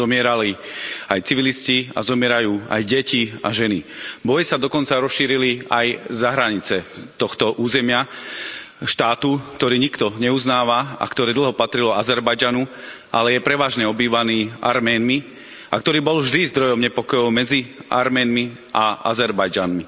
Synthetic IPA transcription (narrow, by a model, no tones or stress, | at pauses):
zɔmɪɛɾaliajt͡siʋiliscia̰zɔmɪɛɾajuːa̰jɟɛcia̰ʒɛnibɔjisad̪ɔkɔnt͡saɾɔsʃiːɾiliajzaɦɾaɲit͡sɛt̪ɔxt̪ɔʔuːzɛmɪa | ʃt̪aːt̪ukt̪ɔɾiːɲikt̪ɔɲɛuznaːʋaa̰kt̪ɔɾɛːd̪l̩ˠɦɔpat̪ɾilɔazɛɾbajd͡ʒanu | ʔa̰lɛjɛpɾɛʋaːʒɲɛɔbiːʋaniːʔa̰ɾmɛːnmi | ʔa̰k̚t̪ɔɾiːbɔlvʒd̪izd̪ɾɔjɔmɲɛpɔkɔjɔʊmɛd͡zia̰ɾmɛːnmi | aa̰zɛɾbajd͡ʒanmi